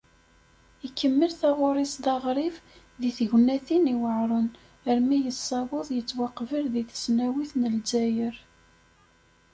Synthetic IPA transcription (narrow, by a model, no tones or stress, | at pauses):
ikːəmːəlθaʁʊɾˤisd̪ɑʁɾˤiv | ðiθʝnːæθiniwəʕɾˤən | əɾmijəsːɑwoðˤjət͡sːwɑqːvəɾðiθə̥snæwiθnəlzæjəɾ